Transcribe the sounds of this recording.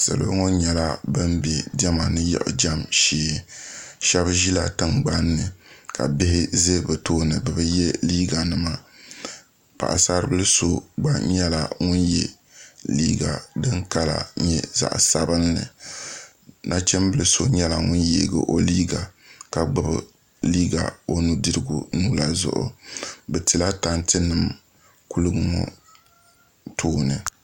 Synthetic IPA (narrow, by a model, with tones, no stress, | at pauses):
sɨ̰˨lɨ̰˨bŋɔ˦ɲɛ˨la˦bɨ˦mbɛ˨dɛ˦ma˨nɨ˦jɛ̰˨ʔʊ̰˨d͡ʒa˦mʃeː˦ʃɛ˦bʒi˦la˨tɨ˦ŋɡ͡ba˦nːɨ˨ka̰˨bɪ˦hɪ˦zɨ˦bɨ˨toː˦nɨ˨bɨ˨bɨ˦jɛ˦liː˦ɡa˨nɨ˦ma˦ | pa̰˨ʔa̰˨saː˦ɾɨ˦bɨ˦lɨ˦so˦ɡ͡ba˦ɲɛ˦la˨ŋʊ˦njɛ̰˦ | liː˦ɡa̰˨dɨ˦ŋka˦la̰˨ɲɛ˦za̰˨ʔsa˦bɨ˦nːɨ̰˨ | na˦t͡ʃɛ˦mbɨ˦lɨ˦so˦ɲɛ˦la˨ŋʊ˦njḛ˦ɡɨ̰˨ʔo˦liː˦ɡa˨ka˨ɡ͡bɨ˦˨bɨ̰˨ | liː˦ɡa̰˨o˦nu˦dɨ˦ɾɨ˦ɡṵ˨nu˦la˦zʊ̰˨ʔʊ̰˨bɛ˨tɨ˨la˦ta˦ntɨ˦nɨ˦˨m | ku˦lɨ˦ɡɨ˦ŋɔ̰˨ | tʰoː˦nɨ˨